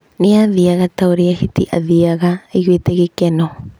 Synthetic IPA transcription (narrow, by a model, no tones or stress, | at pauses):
neaðiaɣat̪awɾiahitiʔa̰ðiaɣaejwet̪eɣikeno